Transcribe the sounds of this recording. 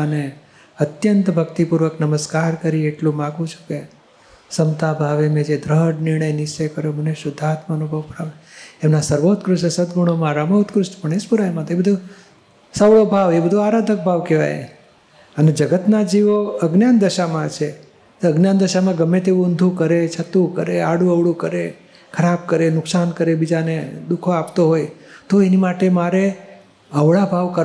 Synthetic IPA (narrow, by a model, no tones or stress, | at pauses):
əne | ət̪jənt̪bʱəkt̪ipuɾʋəknəməskaɾkəɾieʈlũmãɡʋũt͡ʃʰu̥ke | səmt̪abʱaʋemẽd͡ʒed̪ɾəɦɖnɪɾɳ̃əjnɪʃt͡ʃejkəɾjoməneʃʊd̪ʱat̪maənubʱəʋpəɾaʋeemnasəɾʋot̪kɾʊʃsəd̪ɡuɽ̃omãɾamət̪kɾʊʃʈpəɳ̃espuɾajmãt̪oebəd̪ʱu | səʋɭobʱaʋebəd̪ʱuaɾad̪ʱək̚bʱaʋkeʋa̰j̰ | əned͡ʒəɡət̪nad͡ʒiʋoəɡnjand̪əʃamãt͡ʃʰe | t̪əɡnjand̪əʃamãɡəmːet̪̬eʋũənd̪ʱukəɾet͡ʃʰət̪ũkəɾeaɽũəʋɽukəɾe | kʰəɾab̚kəɾenʊksankəɾebid͡ʒaned̪ukʰoapt̪oɦojt̪oenimaʈemaɾe | əʋɭabʱaʋkəɾ